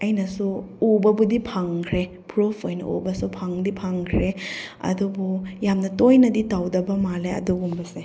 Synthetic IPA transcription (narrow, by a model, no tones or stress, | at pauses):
ɐjnɐsuubɐbudipʰaŋkʰɾe | pɾupʰojnɐ̰ʔṵbɐsupʰaŋdipʰaŋkʰɾeɐ̰dubujamnɐtojnɐditawdɐbɐmaleɐ̰duɡumbɐse